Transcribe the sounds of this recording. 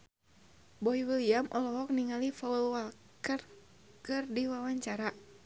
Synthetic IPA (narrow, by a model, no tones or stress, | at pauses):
bɔiwiliamʔɔlɔɦɔk̚niŋalifaulwal | kər | kɨrdiwawaɲt͡ʃaɾa